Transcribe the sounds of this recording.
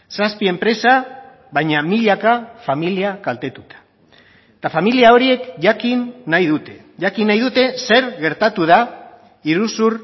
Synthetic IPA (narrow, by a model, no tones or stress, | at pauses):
saspie̞mpɾe̞sa | βajɲamiʎakafamiliakalt̪e̞t̪ut̪ḁ | t̪afamiliao̞ɾie̞kʝakinːajðut̪e̞ | ʝakinːajðut̪e̞se̞ɾɣe̞ɾt̪at̪uð̞a | iɾusur